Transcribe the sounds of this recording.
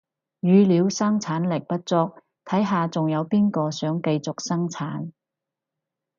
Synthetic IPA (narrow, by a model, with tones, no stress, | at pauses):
jyː˨liː˨˧wsɐ˥ŋt͡sʰaː˨˥nlɪ˨˩k̚pɐ˥t̚t͡sɔː˧k̚ | t̪ʰɐ˨˥jɦaː˨˧t͡sʊ˨ŋjɐ˨˧wpiː˥nkɔː˧sœː˨˥ŋkɐ˧jt͡sʊ˨k̚sɐ˥ŋt͡sʰaː˨˥n